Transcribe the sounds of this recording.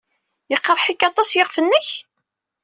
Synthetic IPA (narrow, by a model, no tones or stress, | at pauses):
jəqːɾˤħikɑt̪ˤɑsjəʁfənːəç